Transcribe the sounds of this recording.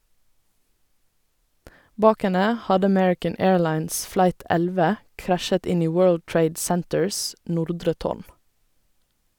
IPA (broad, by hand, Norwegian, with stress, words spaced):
ˈbɑːk ˈɛnə ˈhɑdə əˈmɛɹɪkən ˈeːɹˌlɑɪns ˈflɑɪt ˈɛlʋə ˈkɾæʃət ˈɪn ˈiː ˈwɜːɭd ˈtɹeɪd ˈsɛntəɹs ˈnʊɾdɹə ˈtoːɳ